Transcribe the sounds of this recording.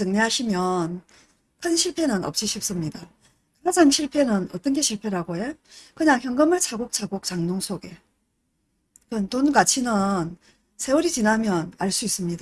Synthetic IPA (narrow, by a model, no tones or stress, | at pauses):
t͡ɕɯŋɲeɦaɕʰimjʌn | kʰɯnɕʰiɭpʰe̞nɯnʌ̰p̚t͡ɕ͈iɕʰip̚s͈ɯmɲida | kad͡ʑaŋɕʰiɭpʰe̞nɯnʌt͈ʌnɡe̞ɕʰiɭpʰe̞ɾaɡoekɯɲaŋçjʌŋɡɯmɯɭt͡ɕʰaɡok̚t͡ɕʰaɡok̚t͡ɕaŋnoŋsʰoɡe̞ | kɯntonkat͡ɕʰinɯn | sʰe̞uɾit͡ɕinamjʌnaɭs͈uis͈ɯmɲida